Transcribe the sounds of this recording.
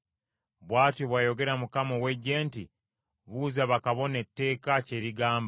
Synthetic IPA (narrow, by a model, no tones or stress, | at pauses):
βwaːtjoβwajo̞ɡe̞ɾamukamoweɟe̞ːnti | βuːzaβakaβo̞ne̞tːe̞ːkace̞ɾiɡaːmba